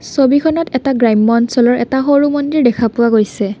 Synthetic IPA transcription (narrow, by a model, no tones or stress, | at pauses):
sobikʰɔnɔtɛtaɡɹajmːɔnsɔlɔɹɛ̰taɦoɹumɔndiɹdɛkʰapʊwaɡojsɛ